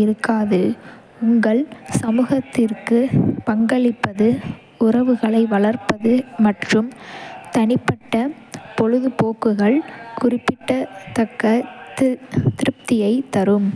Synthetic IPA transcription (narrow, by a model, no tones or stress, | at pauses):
ɪɾɯkːaːðɯ | ʊŋɡɐɭsɐmuːɣɐt̪ːɪrkɯpɐŋɡɐɭɪpːɐðɯ | ʊrɐʋɯɣɐɭɐɪʋɐɭɐrpɐðɯmɐʈrɯmt̪ɐnɪpːɐʈːɐ | pɔɻɯðɯpoːkːɯɣɐɭkʊrɪpːɪʈːɐt̪ːɐkːɐt̪t̪ɪɾɯp̚t̪ɪjɐɪt̪ɐɾɯm